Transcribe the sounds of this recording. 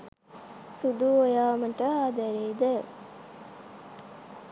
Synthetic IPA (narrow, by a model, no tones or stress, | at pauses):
sud̪uojaːməʈəaːd̪æɾeːd̪ə